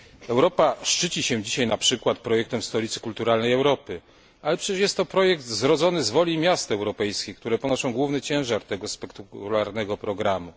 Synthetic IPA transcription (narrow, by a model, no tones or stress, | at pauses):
ɛwɾɔpaʂt͡ʂɘt͡ɕiɕɛ̃d͡ʑiɕajnapʂɘkwat̪̚pɾɔjɛk̚t̪ɛmst̪ɔlʲit̪sɘ̥kult̪uɾalnɛjɛwɾɔpɘ | alɛpʂɛt͡ɕɛʂjɛst̪ːɔpɾɔjɛkt̪zɾɔd̪zɔnɘzvɔlʲimʲjast̪ɛwɾɔpɛjskʲejkt̪uɾɛpɔnɔʂɔ̃w̃ɡwuvnɛt͡ɕɛ̃w̃ʐaɾt̪ɛɡɔspɛkt̪kulaɾnɛɡɔpɾɔɡɾamu